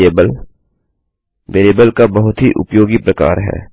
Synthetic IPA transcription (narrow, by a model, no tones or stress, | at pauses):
eːbəl | ʋeːleːbəlkabɐɦʊt̪ɦiʔʊ̰pjoːɡipɾɐka̰ːɾɦɛ̰ː